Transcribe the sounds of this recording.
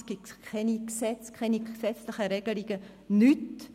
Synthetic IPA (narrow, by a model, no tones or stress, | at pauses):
sɡ̥itkʰɛniksɛt͡skʰɛnisɛt͡slɪχəɾɛɡ̥əliɡ̥ə | nyt